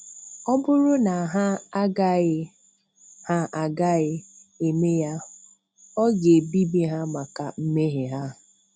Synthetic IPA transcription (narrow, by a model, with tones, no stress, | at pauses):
ɔ˦bʊ˦ɾʊ˦na˨a˨ɦa˦a˦ɡa˦ɪ˦ | ha˦ʔa˨ɡa˦ɪ˦ | e˨me˦ja˦ | ɔ˦ɡe˨bi˦bi˦ɦa˦ma˨ka̰˨m̩˦me˦ɦɪ˨ɦa˦